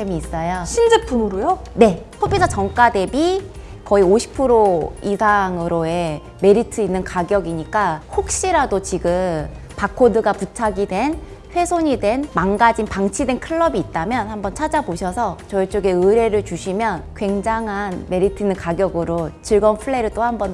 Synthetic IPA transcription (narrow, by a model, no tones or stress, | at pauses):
emiːs͈ʌjoɕʰind͡ʑep̚t͈unuɾojone̞hʰobisʰʌt͡ɕʌŋk͈ade̞bikʌioɕʰi̥pʰɯɾoisʰaŋɯɾoe̞ | me̞ɾitʰɯinːɯnkaɡjʌɡiɲik͈ahok̚ɕ͈iɾadot͡ɕiɡɯm | pakʰodɯɡaputʰaɡidwe̞n | ɸwe̞sʰoɲidwe̞nmaŋɡad͡ʑinpaŋt͡ɕʰidwe̞nkʰɯɭːʌbiːt̚t͈amjʌnhambʌnt͡ɕʰad͡ʑaboɕʰʌsʰʌt͡ɕʌet͡ɕ͈oɡe̞ɯɾe̞ɾɯɭt͡ɕuɕʰimjʌnkwe̞ŋd͡ʑaŋɦanme̞ɾitʰɯinːɯnkaɡjʌɡɯɾot͡ɕiɭɡʌnpʰɯɭːe̞ɾɯɭt͈ohambʌn